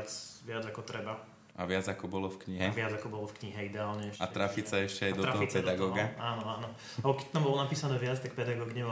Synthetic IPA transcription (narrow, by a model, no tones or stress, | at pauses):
t͡sʋɪad͡zakɔt̪ɾɛba | ʔa̰ʋɪad͡zakɔbɔlɔfkɲiɦɛʋɪad͡zakɔbɔlɔfkɲiɦɛid̪ɛaːlɲɛɛʃat̪ɾafit͡saɛʃcɛajd̪ɔɾaɔɦɔpɛd̪aɡɔːɡaaːnɔaːnɔ | abɔkɛct̪ambɔlɔnapiːsanɛːʋɪat͡st̪ak̚pɛd̪aɡɔːɡɲɛ